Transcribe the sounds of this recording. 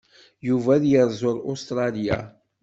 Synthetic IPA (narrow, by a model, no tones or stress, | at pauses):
juvæðjəɾˤzʊɾost̪ɾˤɑlija̰